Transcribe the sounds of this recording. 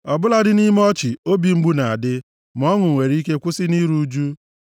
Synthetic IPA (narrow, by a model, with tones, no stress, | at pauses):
ɔ˨bʊ˦la˦dɪ˦ni˦m˦ɔ˦t͡ʃɪ˨o˦bi˨ŋ͡m̩˦ɡ͡bu˦na˨a˨dɪ˦ | m˨ɔ˦ŋʊ˨ŋʷe˨ɾi˦ke˦kʷʊ˦sɪ˦ni˦ɾu˦d͡ʒu˦